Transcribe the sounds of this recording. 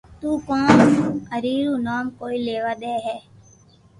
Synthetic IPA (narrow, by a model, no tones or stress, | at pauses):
t̪uːkõːnəɾiːɾuːnaːmkoːiːleːʋaːɗ̪eːɦɛː